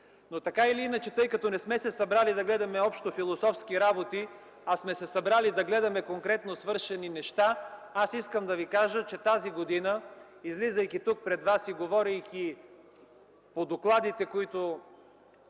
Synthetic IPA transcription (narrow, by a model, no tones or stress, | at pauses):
not̪ɐkailiinət͡ʃɛt̪ɤjkɐt̪ɔnɛsmɛsɛsɐbɾalid̪ɐɡlɛd̪ɐmɛɔpʃt̪ofilˠosɔfskiɾabot̪i | ɐsmɛsɛsɐbɾalid̪ɐɡlɛd̪ɐmɛkoŋkɾɛt̪nosvɤɾʃɛninɛʃt̪aasiskəmd̪ɐvikaʒət͡ʃɛt̪aziɡod̪inə | izlizəjkit̪uk̚pɾɛd̪vasiɡovɔɾijk̟i | pod̪oklˠad̪it̪ɛkoit̪o